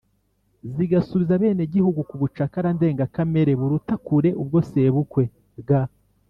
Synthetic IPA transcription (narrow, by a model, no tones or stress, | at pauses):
ziɡasuβizaβe̞ːneɟihuɡukuβut͡ʃakaɾande̞ːŋɡakame̞ɾe̞βuɾutakuɾe̞ʔubɡo̞se̞βukwe̞ | ɡa